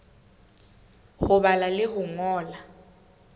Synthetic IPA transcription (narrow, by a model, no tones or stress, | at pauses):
hʊɓalalɪhuŋɔːla